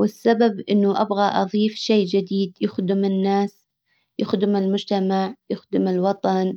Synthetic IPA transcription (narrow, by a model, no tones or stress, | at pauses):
wɪsːababʔɪnːʊʔa̰bɣaʔɑ̰ðˤiːfʃeːd͡ʒɪd̪iːd̪jʊxd̪ɪmɪnːaːs | jʊxd̪ɪmɪlmʊd͡ʒt̪amaʕjʊxd̪ɪmɪlwɑt̪ˤɑn